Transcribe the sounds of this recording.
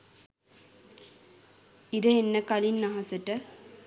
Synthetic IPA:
iɾɐenːɐkɐlinːɐɦɐsɐʈːə

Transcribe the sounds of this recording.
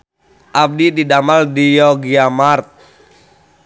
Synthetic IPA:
ʔab̚dididamaldijɔɡiamart̪̚

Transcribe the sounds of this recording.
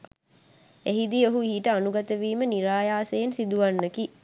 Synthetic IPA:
eɦid̪ioɦuiɦiʈəanuɡat̪əʋiːməniɾaːjaːsejensid̪uʋanːəki

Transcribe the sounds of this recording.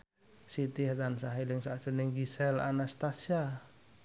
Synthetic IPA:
sit̪iɦat̪ansaɦiliŋsasuniŋɡisɛla̰nast̪asia

